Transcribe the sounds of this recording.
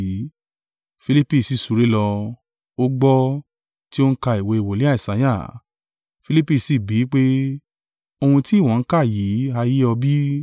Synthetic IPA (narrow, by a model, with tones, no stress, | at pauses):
fi˧li˦pi˧˨si˧su˨ɾe˨˦lɔ˧ | o˦ɡ͡bɔ˦ | ti˦o˦n̩˦ka˧i˨we˧i˧˨wo˨li˦a˦i˨sa˨˦j̃a˦˨ | fi˧li˦pi˧˨si˨bi˨˦k͡pe˦ | o˧hũ˧ti˦˨w̃ɔ̃˨n̩˦ka˦˨ji˨˦a˧ji˦ɔ˧bi˦